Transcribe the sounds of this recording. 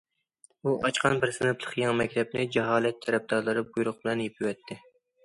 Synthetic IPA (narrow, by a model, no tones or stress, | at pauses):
uʔɑt͡ʃqʰɑnbɪɾsɨnɨplˠəχjɑŋmɛkʲt̪ʰɛp̚nɪd͡ʒɛɦɑːlˠɛt̪ʰːɛɾɛp̚d̪ɑɾlˠɨɾɨbujɾʊq̚bɪlɛnjepʰɪwɛt̪ʰːɪ